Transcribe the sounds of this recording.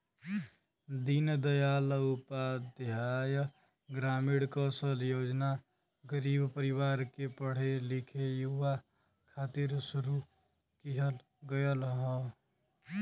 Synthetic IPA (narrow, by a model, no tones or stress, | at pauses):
d̪ind̪əjalupad̪ɦaj | ɡɾamiɽkɔsəljod͡ʒna | ɡəɾibpəɾiβaɾkepəɽ̤elikʰejuʋa | kʰat̪iɾsuɾu | kiɦəl | ɡəjəlɦɔ̃